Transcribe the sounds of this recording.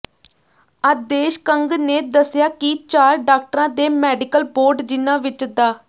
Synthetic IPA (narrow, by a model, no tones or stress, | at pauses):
əd̪eːʃkəŋɡneːd̪əsɪjaːkɪt͡ʃaːɾɖaːk̚ʈəɾãːd̪eːmɛːɖɪkəlboːɾɖd͡ʒɪnãːʋɪt͡ʃd̪aː